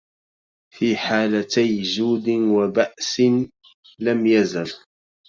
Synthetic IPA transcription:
fiːħaːlat̪ajd͡ʒuːd̪ɪwabaʔsn | lamjazal

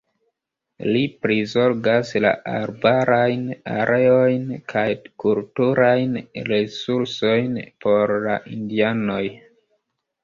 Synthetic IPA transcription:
lipɾizo̞ɾɡasla̰ʔa̰ɾbaɾajna̰ɾʔe̞o̞jnkʰajkultuɾajnɾesuɾso̞jnpʰo̞ɾlaʔindiano̞j

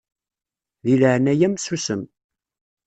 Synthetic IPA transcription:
ðiləʕənæjæmsusəm

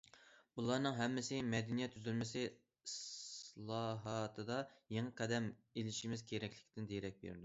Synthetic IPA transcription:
bulˠɑɾnɨŋɦɛmːɪsɪmɛd̪ɪnijɛt̪ʰːyzylmɪsɪ | slˠɑɦɑt̪ʰɨd̪ɑjeŋəqʰɛd̪ɛmelɪʃimɪzkʲʰeɾɛkʲlɪkʲʰd̪ɪnd̪ejɾɛk̚ʲbḛɾd̪u

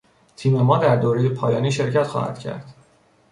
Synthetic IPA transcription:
t̪ʰiːme̞mɒːd̪æɾd̪oːɾe̞jepʰɒːjɒːniːʃe̞ɾcʰæt̪xɒ̰ːhæ̰d̪̥cʰæ̰ɾd̪̥

